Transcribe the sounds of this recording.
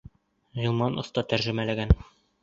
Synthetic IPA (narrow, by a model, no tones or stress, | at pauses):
ʁɤ̆lˠmɑnŏ̰θt̪ɑt̪æɾʒɘ̆mælæɡæn